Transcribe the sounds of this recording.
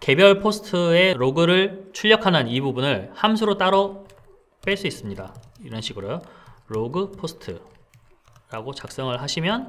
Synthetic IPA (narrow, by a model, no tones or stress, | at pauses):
ke̞bjʌɭpʰosʰɯ̥tʰɯe̞ɾoɡɯɾɯɭt͡ɕʰuʎːʌkʰanɯnibubunɯɭhamsʰuɾot͈aɾʌ | p͈eɭs͈uis͈ɯmɲida̰ | iɾʌnɕʰiɡɯɾʌjoɾoɡɯpʰosʰɯ̥tʰɯ̰ | ɾaɡot͡ɕak̚s͈ʌŋɯɭɦaɕʰimjʌn